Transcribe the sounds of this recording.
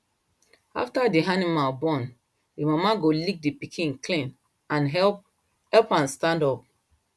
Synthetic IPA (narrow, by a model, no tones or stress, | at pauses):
a̰ftadiɦanimalbɔ̃n | dimamaɡolik̚dipikʰĩnklĩn | ãnɦɛ | hɛlpãnstãndɔp̚